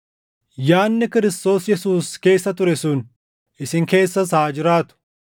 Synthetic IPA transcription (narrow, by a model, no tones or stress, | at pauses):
jaːnːɪkɪɾɪst̪o̞ːsjɛsuːske̞ːsːɐt̪ʊɾɛsʊn | ɪsɪŋke̞ːsːɐshaːd͡ʒɪɾaːt̪ʊ̥